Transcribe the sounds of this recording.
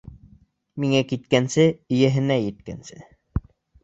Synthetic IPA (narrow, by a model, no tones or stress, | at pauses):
miŋækit̪̚kænsɘĭjɘɦɘ̆næjɘ̆t̪̚kæ̰nsɘ